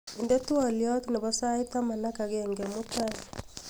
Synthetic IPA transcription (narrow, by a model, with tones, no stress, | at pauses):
i˨nde˦tu˦ɔ˦˨ljɔ˦tu˦ne˨βɔ˦sa˦i˦ta˦ma˨na˦ka˨ɣeːŋɡe˨mu˦ta˦li